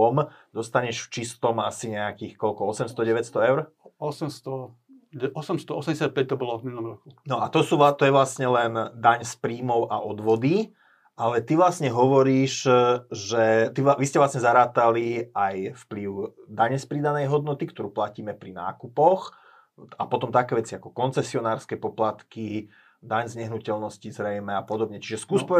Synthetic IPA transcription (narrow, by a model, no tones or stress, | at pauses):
ɔmd̪̥ɔst̪aɲɛʃft͡ʃist̪ɔmasiɲɛakiːxkɔlkɔɔsɛmst̪ɔɟɛʋɛcst̪ɔɛʊɾ | ɔsɛmst̪ɔ | ɛɔsɛmst̪ɔɔsɛmɟʲɛsjat̪̚pɛc̚t̪ɔbɔlɔvminɔmɾɔkunɔat̪ɔsuʋat̪ɔjɛʋlasɲɛlɛnd̪aɲspɾiːmɔʊʔa̰ʔɔd̪ʋɔd̪i | ʔalɛt̪iʋlasɲɛɦɔʋɔɾiːʃʒɛt̪iʋiscɛʋlasɲɛzaɾaːt̪aliajfpliʊd̪aɲɛspɾid̪anɛjɦɔd̪nɔt̪ikt̪ɔɾuːplaciːmɛpɾina̰ːkupɔx | apɔt̪ɔmt̪akɛːʋɛt͡siakɔkɔnt͡sɛsiɔnaːɾskɛpɔplat̪ki | d̪aɲzɲɛɦnucɛlnɔscizɾɛjmɛapɔd̪ɔbɲɛt͡ʃiʒɛskuːspɔ